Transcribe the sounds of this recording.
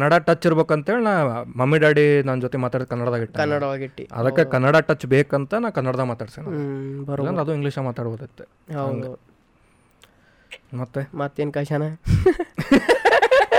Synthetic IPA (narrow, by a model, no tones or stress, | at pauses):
knːɐɽaːʈɐt͡ʃːiɾbeːkuɐnt̪ɐɦeːɭnaːmɐmːiɖaːɽinaːnd͡ʒoːt̪emaːt̪aːɽid̪̚kɐnːɐɽɐd̪aːɡiʈːkɐnːɐɽɐʋaːɡiʈːḭɐ̰d̪ɐːekɐnːɐɽaʈɐt͡ʃːbeːkɐnt̪ɐnaːkɐnːɐɽɐd̪ɐmaːt̪aːɽisenabɐɾɐnd̪ɐd̪uiŋɡliːʃɐmaːt̪aːɽboːd̪ɐt̪ːe | ɐwɐnd̪e | mɐt̪ːemɐt̪ːeːnkɐʃɐnɐ